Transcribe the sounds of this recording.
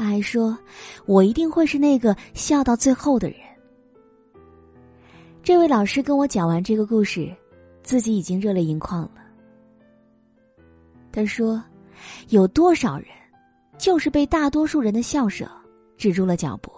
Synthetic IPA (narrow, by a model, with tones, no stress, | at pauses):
a˥xa˧˥ɪʂwɔ˥wɔ˨˩i˧˥t̪i˥˧ŋxwe˥˧ɪʂɻ̩˥˧ne˥˩ɡə˩ɕjɑ˥˧ʊt̪ɑ˥˧ʊt͡swe˥˧ɪxo˥˩ʊd̪ə̰˩ɻə̰˧˥n | ʈ͡ʂɤ˥˧we˥˩ɪlɑ˨˩ʊʂɻ̩˥kə˥nwɔ˧˥t͡ɕjɑ˨˩wa˧˥nʈ͡ʂɤ˥˩ɡə˩ku˥˧ʂɻ̩˥˩ | t͡sɹ̩˥˩t͡ɕi˧˥i˨˩t͡ɕi˥ŋɻɤ˥˧ljɛ˥˩i˧˥ŋkʰwɑ˥˩ŋlə˩ | t̪ʰa˥ʂwɔ˥ | jo˨˩ʊt̪wɔ˥ʂɑ˨˩ʊɻə̰˧˥n | t͡ɕjo˥˧ʊʂɻ̩˥˧pe˥˧ɪt̪a˥˩t̪wɔ˥ʂu˥˩ɻə˧˥nd̪ə˧ɕjɑ˥˩ʊʂɤ̰˨˩˦ | ʈ͡ʂɻ̩˨˩ʈ͡ʂu˥˩lə˩t͡ɕjɑ̰˨˩ʊpu˧˩˦